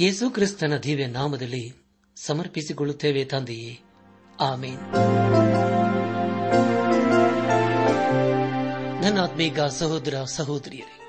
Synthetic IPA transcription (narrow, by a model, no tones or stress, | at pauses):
eːsukɾist̪ɐnɐd̪ʱiːʋjɐnaːmɐd̪ɐlːi | sɐmɐɾpisikoɭut̪ːeːʋet̪ɐnd̪ije | aːmeːn | d̪ʱɐnːaːt̪miːkaːsɐɦoːd̪ɾɐsɐɦoːd̪ɾijɐɾe